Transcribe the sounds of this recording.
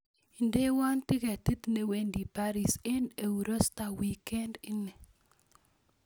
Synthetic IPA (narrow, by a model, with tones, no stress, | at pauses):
i˨nde˦wa˦nt̪ɪ˦kɛ˨t̪i˦t̪ne˨we˦ndi˨pa˦ɾi˨se˦ne˨u˨ɾo˦st̪a˨wi˦kɛ˦ndi˦ne˨